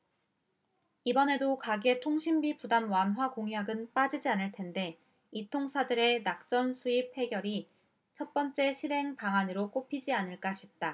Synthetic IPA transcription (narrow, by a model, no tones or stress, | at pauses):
ibʌne̞dokaɡe̞tʰoŋɕʰimbipudamwanɦwakoŋjaɡɯnp͈ad͡ʑid͡ʑianɯɭtʰe̞nde̞ | itʰoŋsʰadɯɾe̞nak̚t͡ɕ͈ʌnsʰuip̚he̞ɡjʌɾi | t͡ɕʰʌt̚p͈ʌnt͡ɕ͈e̞ɕʰiɾɦe̞ŋpaŋanɯɾok͈opʰid͡ʑianɯɭk͈aɕʰit̚t͈a